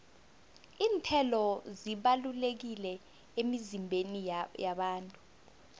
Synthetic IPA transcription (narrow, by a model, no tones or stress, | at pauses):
iːntʰɛlɔziɓalulek̬ilɛ | emizimbʱenijaɓaːntʼu̥